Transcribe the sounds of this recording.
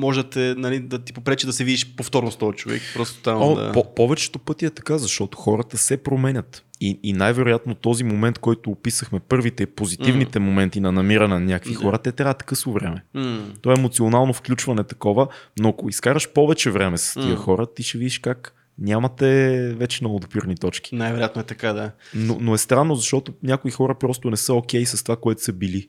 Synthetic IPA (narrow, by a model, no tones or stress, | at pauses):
mɔʒd̪t̪ɛnɐlid̪ɐt̪i̥popɾɛt͡ʃid̪ɐsɛvid̪iʃpoft̪ɔɾnost̪ɔjt͡ʃovɛ̰kpɾɔst̪o̥t̪amo̰a̰popɔvɛt͡ʃɛ̥t̪opɤt̪iɛt̪ɐ̥kazɐʃt̪ɔt̪o̥xɔɾət̪əsɛpɾomɛnʲət̪iinajvɛɾojat̪not̪ɔzimomɛnt̪̚kɔjt̪oːpisəxmɛpɤɾvit̪ɛipozit̪ivnit̪ɛmomɛnt̪inɐnɐmiɾɐnɛnɐnʲakəkvixɔɾət̪ɛt̪ɾavət̪kɤsvovɾɛ̰mɛt̪oaɛɛmot̪sionalˠnofklʲut͡ʃvɐnɛt̪ɐ̥kɔvənoɐkoiskaɾəʃpɔvɛt͡ʃɛvɾɛmɛsɐ̥st̪iəxɔɾət̪iʃɛvid̪iʃkak | nʲamɐt̪ɛvɛt͡ʃɛnɐod̪piɾnit̪ɔt͡ʃk̟i̥najvɛɾoʊjat̪noɛt̪ɐkad̪ano̰noɛst̪ɾanːozɐʃt̪ɔt̪onʲakʊixɔɾəpɾɔst̪onɛsɤok̟ɛjsɐst̪ovakoɛt̪ʊ̥səbili